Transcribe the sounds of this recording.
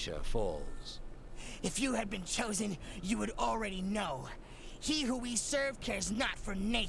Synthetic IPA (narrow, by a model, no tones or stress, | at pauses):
ʃə̰fɔ̰lˠz̥ | ɨfjɨɨd̚bɨ̃nt͡ʃʰoʊzɨ̃njɨwɨɾl̩ˠɹɛɾinoʊ | hiɦuwisɜ˞v̥kʰɛɹznətfə˞neɪ